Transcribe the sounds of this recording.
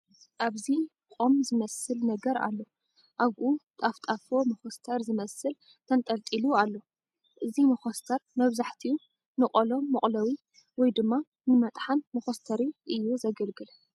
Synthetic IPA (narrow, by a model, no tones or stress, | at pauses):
ʔaβzi | kʼo̞mzɨmɐsɨlnɐɡɐɾa̰lːo̞ | ʔaɡʔut̪ʼaft̪ʼafo̞mɐxost̪ʰɐɾzɨmɐsɨl | t̪ʰɐnt̪ʼɐlt̪ʼilualːo̞ | ʔɨzimɐxost̪ʰɐɾmɐβzaħt̪ʰiu | nɨkʼɐlo̞mɨχʼlɐwi | wɔjd̪ɨmːa | nɨmɐt̪ʼħanmɐxost̪ʰɐɾiʔɨjːuzɐɡɐlɡɨlɐ